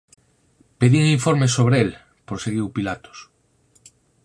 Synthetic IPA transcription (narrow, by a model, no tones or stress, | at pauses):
peðiŋiɱfoɾmesoβɾeel | pɾoseɣiwpilat̪o̥s